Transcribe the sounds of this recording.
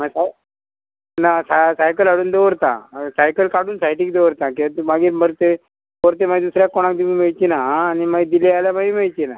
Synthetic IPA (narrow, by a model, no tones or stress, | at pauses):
masa | nasasajkəlaɽuːnd̪eʋəɾt̪ã̰sajkəlkaɽuːnsajʈiːk̚d̪eʋəɾt̪ãkiat̪maɡiːɾməɾt̪e | oɾt̪emaɡid̪usɾjakɔɽ̃ãkd̪imimeɭt͡ɕinaːnimaid̪ilaaljamaɡimeɭt͡ɕina